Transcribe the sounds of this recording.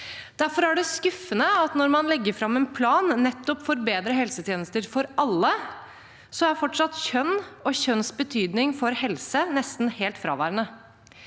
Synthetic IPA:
d̪̥æɾfɔɾæɖɛskʉfːənəɑt̪nɔɾmɑnlɛɡːəɾfɾɑmːɛnpʰlɑːnːɛt̪ːɔpfɔɾbeːd̪ɾəɦɛlsət̪ʰjeːnəst̪əɾfɔɾʔɑlːə | sɔæɾfɔʈʂɑt̪çœnːɔçœnsbət̪ʰyːd̪nɪŋfɔɾhɛlsənɛst̪n̩heːlt̪fɾɑ̰ːʋæ̰ːɾənə

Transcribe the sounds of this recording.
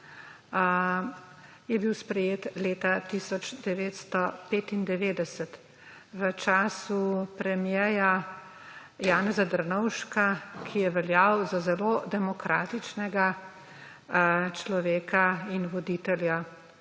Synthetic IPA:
jɛbiwspɾɛjeːt̪leːt̪at̪isɔd͡ʒd̪ɛʋeːt̪st̪ɔpeːt̪ind̪ɛʋeːd̪ɛsɛt̪ | ʋət͡ʃaːsupɾɛmjɛja | jaːnɛzad̪əɾnɔwʃkakʰijɛʋɛljawzazɛlod̪ɛmɔkɾaːt̪it͡ʃnɛɡa | t͡ʃlɔʋeːkainʋɔd̪iːt̪ɛlja

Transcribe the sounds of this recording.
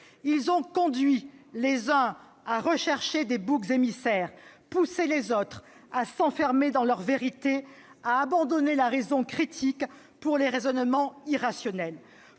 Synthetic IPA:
ilzɔ̃kɔ̃d̪ɥilezə̃ | aʁəʃɛʁʃed̪ebukzemisɛːʁpuselezot̪χasɑ̃fɛʁmed̪ɑ̃lœʁveʁit̪e | aːbɑ̃d̪ɔnelaʁezɔ̃kχit̪ʰik | puʁleʁezɔnmɑ̃iʁasjɔnɛl

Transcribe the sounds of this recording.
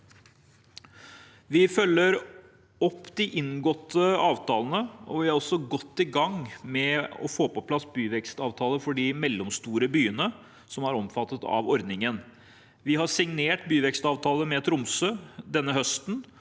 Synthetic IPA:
ʋɪfœlːəɾ | ɔpːd̪ɪʔɪnɡɔt̪ʰːəɑːʋt̪ʰɑːlənəɔ̰ʋɪhɑɾɔsɔɡɔt̪ːɪɡɑŋmɛɔ̰foːpɔpʰlɑsbyːʋɛkst̪ɑːʋt̪ʰɑːləfɔɖɪmɛlːɔmst̪uːɾəbyːənə | sɔmæɾɔmfɑt̪ːət̪ɑ̰ʋɔɾd̪nɪŋən | ʋɪhɑsɪŋneːʈbyːʋɛkst̪ɑːʋt̪ʰɑːləmɛt̪ʰɾʊmsøːd̪ɛnːəhœst̪n

